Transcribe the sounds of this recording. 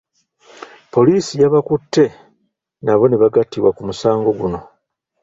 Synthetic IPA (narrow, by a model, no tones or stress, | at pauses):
po̞liːsijaβakutʰːe̞ | naβo̞neβaɡatːiβwakumusaːŋɡo̞ɡuno̞